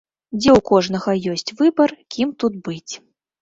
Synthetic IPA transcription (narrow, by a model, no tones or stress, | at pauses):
d͡zʲɛwkɔʐnɐɣɐjɔsʲt͡sʲvɨbɐrkʲimt̪ud̪bɨt͡sʲ